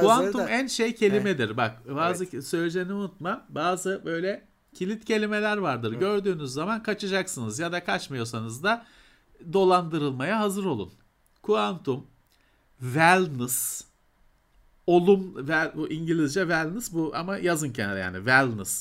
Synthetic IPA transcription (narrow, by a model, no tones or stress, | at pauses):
kuant̪ummænʃejcʰe̞lʲimed̪iɾbak̚baːzɯsø̞lʲed͡ʒeniunut̪mabaːzɯbø̞jlʲɛ | cʰilʲit̪cʰe̞lʲime̞lʲæɾvaɾd̪ɯɾɟø̞ɾd̪yːnyzːamankʰat͡ʃʰɯd͡ʒaksɯnɯzjad̪akʰat͡ʃmɯjo̞sanɯzd̪a | d̪o̞lˠand̪ɯɾɯlˠmajaɦazɯɾo̞lˠṵn | kʰuant̪ʰum | vælʲnɯs | o̞lˠumvælʲbuʔiɲɟilʲizd͡ʒɛvælʲnɯsbuʔa̰majazɯncʰenal̰ʲja̰ːnḭvælʲnɯs